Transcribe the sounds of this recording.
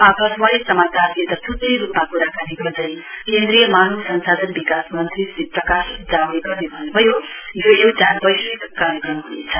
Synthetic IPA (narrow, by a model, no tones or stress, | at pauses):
ʌbʌswaisʌmat̪aet̪ʌsʰut̪ːijɾupmakuɾakaniɡʌɾd̪ʌj̃kend̪ɾijʌmanusʌnsad̪ʌnbikasmʌnt̪ɾisiprʌkasik̪̚d͡zawneɡʌrnebʱʌnubʱʌjojoewʈanbʌjsekaɾjʌkrʌmɦunḛt͡sʰʌ̥